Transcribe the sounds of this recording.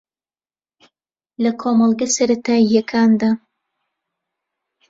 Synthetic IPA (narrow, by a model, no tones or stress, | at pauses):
lɐkʰoːmɐlˠɡɐsɐɾɐt̪ʰaːijɐkʰaːnd̪a